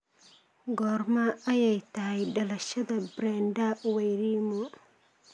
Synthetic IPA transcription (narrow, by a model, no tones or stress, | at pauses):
ɡɔrmɐɐjɛjt̪ʰɐɦɛjɖɐlɐʃɐðɐbɾɛːndɐwɛjɾiːmɔ